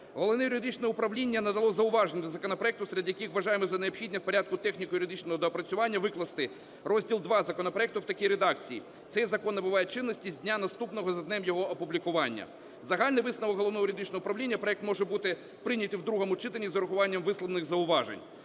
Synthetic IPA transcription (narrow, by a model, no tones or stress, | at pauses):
ɦɔlˠɔʋnɛjʊɾʲɪd̪ɪt͡ʃnɛʊpɾɐʋlʲinʲːɐnɐd̪ɐlˠɔzɐʊʋɑʒenʲɛd̪ɔzɐkɔnɔpɾɔɛkt̪ʊsɾʲɐd̪ʲjɐkixʋɐʒɑjemɔzɐneɐpxʲidʲnʲɛwpɔɾʲad̪̚kʊt̪ɛxnʲikɔjʊɾʲɪd̪ɪt͡ʃnɔɦɔd̪ɔːpɾɐt͡sʲʊʋɑnʲːɐʋɪklˠɐst̪ɪ | rɔzʲdʲilˠd̪ʋɑzɐkɔnɔpɾɔɛk̚t̪ʊwt̪ɐkʲiɾed̪ɑkt͡sʲijḭ | t̪sɛjzɐkɔnːɐbʊʋɑjet͡ʃɪnːɔsʲtʲizʲdʲnʲanɐst̪upnɔɦɔzɐd̪nɛmjɔɦɔʔɐpʊblʲikʊʋɑnʲːɐ̰ | zɐɦɑlʲnɪjʋɪsnɐʋɔkɦɔlˠɔʋnɔɦjʊɾʲɪd̪ɪt͡ʃnɔɦʊpɾɐʋlʲinʲːɐpɾɔɛk̚t̪mɔʒɛbut̪ɪ | pɾɪnʲɐt̪ʲiwd̪ɾuɦɔmʊt͡ʃɪt̪ɐnʲizɐɾʊxʊʋɑnʲːɐmʋɪslˠɔʋnɪɣzɐʊʋɑʒḛnʲ